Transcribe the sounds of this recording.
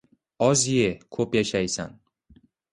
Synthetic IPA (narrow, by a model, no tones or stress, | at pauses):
ɒzjekʰopjaʃajsa̰n